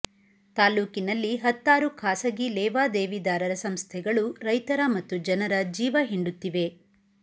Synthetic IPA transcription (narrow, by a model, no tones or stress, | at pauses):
t̪aːluːkinɐlːiɦɐt̪ːaːɾukʰaːsɐɡilɛːʋaːd̪eːʋid̪aːɾɐɾɐsɐmst̪ʰɛɡɐɭuɾɐjt̪ɐɾɐmɐt̪ːud͡ʒɐnɐɾɐd͡ʒiːʋɐɦiɳɖut̪ːiʋe̞